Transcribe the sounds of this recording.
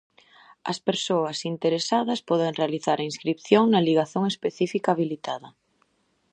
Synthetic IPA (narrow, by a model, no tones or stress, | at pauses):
ɐ̰speɾsoɐsint̪eɾesaðɐspɔðeŋrealiθaɾɐĩnskɾipθjoŋnaliɣaθoŋespeθifikaːβ̞ilit̪aðɐ